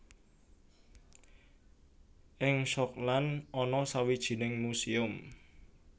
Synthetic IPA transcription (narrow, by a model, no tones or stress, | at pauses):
ʔɪŋʃɔklanʔɔnɔsawid̥ʒ̥i̤nɪŋmusiʊm